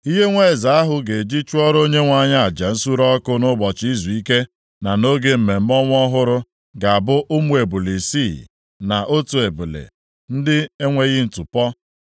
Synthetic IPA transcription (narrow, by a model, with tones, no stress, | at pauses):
i˦ɦe˦ŋʷe˦˨za˨a˦ɦʊ˦ɡe˨d͡ʒi˦t͡ʃu˦ɔ˦ɾo˦ɲe˦ŋʷa˨ɲa˦a˨d͡ʒa˨n̩˦su˦ɾɔ˦kʊ˦nʊ˦bɔ˨t͡ʃi˦zu˨i˦ke˦ | na˨no˦ɡe˦m̩˨me˨m̩˦mɔ˦ŋʷ˦ɔ˦ɦʊ˦ɾʊ˦ | ɡa˨a˨bʊ˦ʔʊ˦mu˦e˨bu˨li˨si˦˨ | na˨ʔo˦tu˨e˨bu˨lḛ˨ | n̩˦dɪ˦e˦ŋʷe˦ɣɪ˦n̩˨tu˨pɔ˦